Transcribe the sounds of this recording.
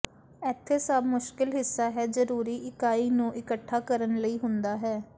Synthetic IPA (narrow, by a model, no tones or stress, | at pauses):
ɛːt̪ʰːeːsaːbmʊʃkɪlɦɪsːaːɦɛːzəɾuːɾiːʔɪkaːiːnũːʔɪkəʈʰːaːkəɾənləiːɦʊnd̪aːɦɛː